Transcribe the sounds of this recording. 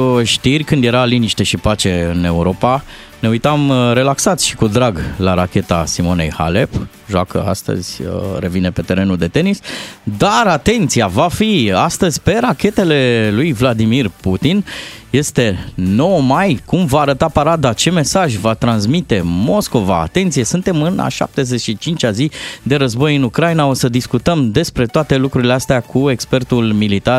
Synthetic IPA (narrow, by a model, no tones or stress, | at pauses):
ʃt̪irʲkɨnd̪je̞ɾaliniʃt̪e̞ʃipat͡ʃe̞ɨne̞uɾo̞pa | ne̞ujt̪amɾe̞laksat̪sʲʃi̥kud̪ɾaɡlaɾakʲe̞t̪asimo̞ne̞̰jha̰le̞p | ʒwakə̰a̰st̪ə̰z̥ʲəɾe̞vine̞pe̞t̪e̞ɾe̞nuld̪e̞t̪e̞nisd̪aɾat̪e̞nt̪siavafiast̪əzʲpe̞ɾakʲe̞t̪e̞le̞lujvlad̪imirput̪inje̞st̪e̞no̞wəmajkumvaːɾət̪apaɾad̪at͡ʃe̞me̞saʒʲvat̪ɾansmit̪e̞mo̞sko̞va̰ːt̪e̞nt̪sije̞sɨnt̪e̞mɨna̰ʃa̰p̚t̪e̞ze̞t͡ʃʲʃit͡ʃint͡ʃʲazid̪e̞ɾəzbo̞jɨnukɾajnao̞səd̪iskut̪əmd̪e̞spɾe̞t̪oat̪e̞lukɾuɾileast̪eakʰue̞kspe̞rt̪ulmilit̪ar